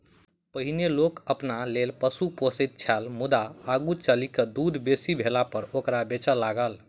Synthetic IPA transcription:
pəɦinelokəpnalelpəsuposət̪̚t͡ʃʰalmud̪aːɡut͡ʃəlikəd̪ud̪ʱbesibʱelapəɾokɾabet͡ʃəlːaɡəl

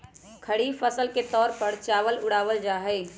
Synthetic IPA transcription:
kʰəɽifəsəlket̪ɔːɾpəɾt͡ʃaːʋəlʊɽaːʋəld͡ʒaːɦɛː

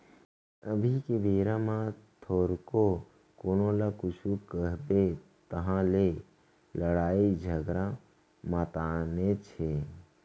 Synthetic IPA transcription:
əbʱikeʋeːɾãmãt̪ʰoɾko | koːnolakʊt͡ʃʰukəɦbe | t̪əɦãle | ləɽaːid͡ʒʱəɡɾã | mət̪anet͡ʃʰe

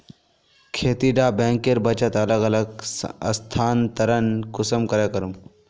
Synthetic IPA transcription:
kʰeːt̪iɖaːbẽːŋkeɾbɐt͡ʃɐt̪ɐləɡɐləɡɐst̪ʰaːnt̪ɐɾɐnkʊsəmkɐɾekɐɾum

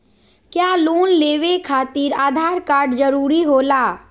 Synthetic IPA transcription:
kjaːluːnleːʋekʰaːt̪iːɾaːd̪ʱaːɾkaːɾɖd͡ʒəɾuːɾiɦoːlaː

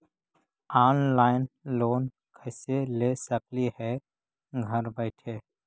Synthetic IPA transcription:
aːnlaːɪnloːn | kʰɛɪselesəklihɛ | ɡʱɐɾbɛɪʈʰeː

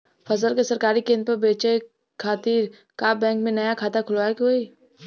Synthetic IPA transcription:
fɐzəlkesɐɾkaːɾikẽːnd̪pɐɾbeːt͡ʃe | kʰaːt̪iːɾ | kaːbɛ̃ːŋkmẽnɐjakʰaːt̪akʰʊlʋaːekɦoːi

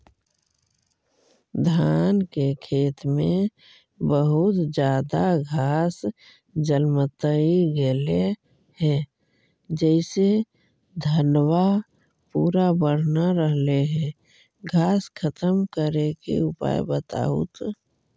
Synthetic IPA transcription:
d̪ʱaːnkekʰeːt̪mẽ | bəɦʊt̪d͡ʒjaːd̪aɡʱaːs | d͡ʒəlmət̪əiɡele | hɛ̃ | d͡ʒɛɪse | d̪ʱənwa | puːɾabəɽ̤naɾəɦleɦɛ̃ | ɡʱaːskʰət̪əmkəɾekḛʊpa̰jbət̪a̰ṵt̪

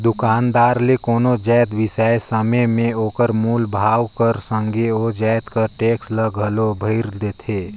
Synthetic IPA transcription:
d̪ʊkaːnd̪aːɾlekoːnod͡ʒɛːt̪ʋɪsaesəməmẽoːkəɾmuːlbʱaːwkəɾsə̃ŋɡeod͡ʒɛːt̪kəɾʈeːksləɡʱəlobʱəɪɾd̪eːt̪ʰeː

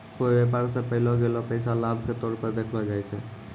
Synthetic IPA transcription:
kobepaɾsẽpəɦilɔɡelɔpəjsalabʱket̪oɾpəɾd̪ekʰlɔd͡ʒajt͡ʃʰɛ

